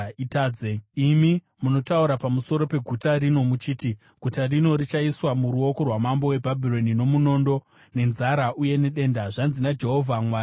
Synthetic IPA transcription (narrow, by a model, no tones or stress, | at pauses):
itaːd͡zeimi | muno̞tauɾapamuso̞ɾo̞pe̞ɡʱutaɾino̞mut͡ʃiːti | ɡ̥ʱutarino̞rit͡ʃaiswamuɾuo̞ko̞rwamambo̞we̞bʱabʱiro̞nino̞muno̞ːndo̞ | ne̞nzaɾaʔuje̞ne̞ɗe̞ndaʐanzinad͡ʒe̞ɦo̞vʱamwaː